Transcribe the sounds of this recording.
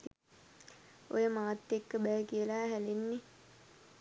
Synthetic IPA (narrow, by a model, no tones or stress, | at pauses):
o̰jəmaːt̪ːekːəbɛjəkijəlaɦælenːe